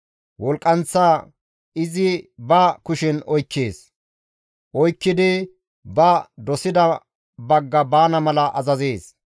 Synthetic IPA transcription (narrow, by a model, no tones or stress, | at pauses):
wɔlkʼːɐnt͡sːaː | ɪzɪbɐkʊʃɪnɔjkːeːs | ʔɔjkːɪd̪ɪ | bɐd̪ɔsɪd̪ɐ | bɐɡːɐbaːnɐmɐlɐʔɐzɐzeːs